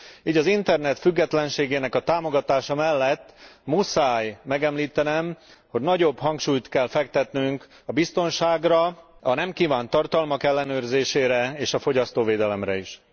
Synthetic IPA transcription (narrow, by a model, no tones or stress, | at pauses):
iːɟɒzint̪ɛrnɛt̪fyɡːɛt̪lɛnʃeːɡeːnɛkɒt̪aːmo̞ɡɒt̪aːʃɒmɛlːɛt̪ːmusaːjmɛɡɛmliːt̪ɛnɛmho̞ɟnɒɟo̞bɦɒŋkʃuːjt̪kɛlfɛkt̪ɛt̪nyŋk | ɒbist̪o̞nʃaːɡrɒɒnɛmkiːvaːnt̪ɒrt̪ɒlmɒkɛlːɛnøːrzeːʃeːɾɛeːʃɒfo̞ɟɒst̪oːveːd̪ɛlɛmɾɛiʃ